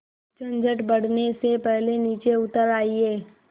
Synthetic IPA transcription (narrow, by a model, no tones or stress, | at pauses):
t͡ʃə̃nd͡ʒəʈbɐɽ̤nesepɛɦleniːt͡ʃeʊt̪əɾaːieː